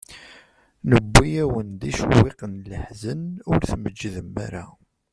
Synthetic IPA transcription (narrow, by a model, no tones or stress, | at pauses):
nəbːijæwənd̪iʃwːiqənləħzənʊɾθməd͡ʒːiðəmːæ̰ɾa